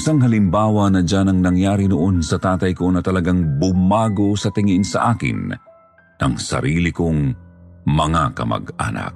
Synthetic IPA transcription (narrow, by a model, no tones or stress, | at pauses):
ɪsaŋɦɐlɪmbaːwɐnɐd͡ʒanɐŋnɐŋjaːɾinoʔo̞nsɐt̪aːt̪ɐjko̞nɐt̪ɐlɐɡaŋbʊmaːɡo̞sɐt̪ɪŋɪnsɐ̰ʔaːkɪ̰nː | ɐŋsɐ̰ɾiːlɪkoŋ | mɐŋakɐmɐ̰ɡa̰na̰k̚